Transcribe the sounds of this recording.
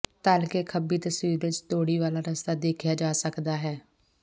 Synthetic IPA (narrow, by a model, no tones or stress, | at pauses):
t̪aːlkeːkʰəbiːt̪əsʋiːɾʋɪt͡ʃt̪oːɽiːʋaːlaːɾəst̪aːd̪eːkʰjaːd͡ʒaːsəkd̪aːɦɛː